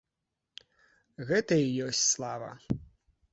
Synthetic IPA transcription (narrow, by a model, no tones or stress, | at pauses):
ɣɛt̪ɐijɔsʲt͡sʲslˠavɐ̰